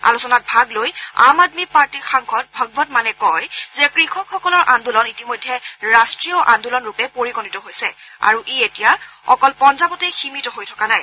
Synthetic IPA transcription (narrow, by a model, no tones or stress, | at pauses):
a̰lusɔnat̚bʱaɡloja̰madmipaɹtiɹxaŋkʰɔt̚bʱɔɡbɔtmanɛkɔjzɛkɹixʰɔkxɔkɔlɔɹʔand̪ulɔnitimojdʱːɛɹastɹijɔʔandulɔnɹupɛpoɹikɔnitɔɦojsɛ | a̰ɹuʔeetija | ɔkɔlpɔnzabɔtɛximitɔɦojtʰɔ̥kanaj